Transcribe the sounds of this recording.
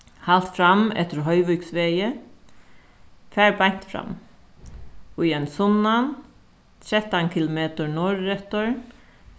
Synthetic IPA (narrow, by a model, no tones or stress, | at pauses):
halt̪fɾamɛ̰ht̪əɾɦœʏʋʉksʋeːjə | fæːɹbaɲ̥t̪fɾa̰m | ʊjɛnsɔnan | t̪ʰɾɛt̪ankʰɪlʊmeːt̪əɹnɔɹɛt̪əɹ